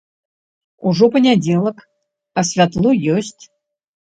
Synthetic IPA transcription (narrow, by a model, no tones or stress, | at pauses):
uʐɔpənʲadʲelˠək | ɐsʲvʲat̪lˠujɔsʲtʲ